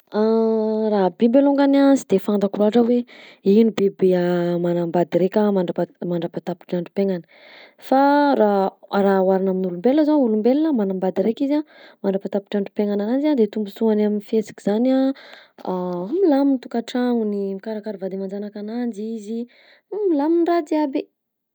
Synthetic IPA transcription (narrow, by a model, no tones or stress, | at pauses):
araɦbibeloŋɡanazid̪̥efand̪akulaaʈ͡ʂəweinibebeamanambad̪iɾekʲamaɳɖ͡ʐapmaɳɖ͡ʐapat̪api̥ʈ͡ʂaɳɖ͡ʐu̥peŋanə̥ | faɾarawaɾinaminulumbelːəzaulumbellamanambad̪iɾekʲizamaɳɖ͡ʐapat̪api̥ʈ͡ʂaɳɖ͡ʐu̥peŋananand͡ʒiad̪et̪umbusuanaminfiet͡si̥kiz̥ana | amilamint̪ukaʈ͡ʂaŋunimikaɾakaɾuvad̪imand͡ʒanakanand͡ʒizi | milaminrad̪iabe